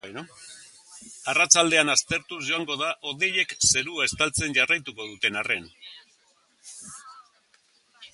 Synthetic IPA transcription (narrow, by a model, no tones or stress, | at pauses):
arat͡ʃald̪e̞anast̪e̞ɾt̪uzʝo̞aŋɡo̞ðaʔo̞ðe̞je̞kse̞ɾuae̞st̪alt͡se̞nʝarajt̪uko̞ð̞ut̪e̞nare̞n